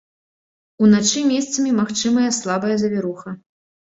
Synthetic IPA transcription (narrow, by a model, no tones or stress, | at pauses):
unat͡ʂɨmʲɛst̪sɐmʲimaxt͡ʂɨmɐjɐslˠabɐjɐzʲɐvʲɛɾuxɐ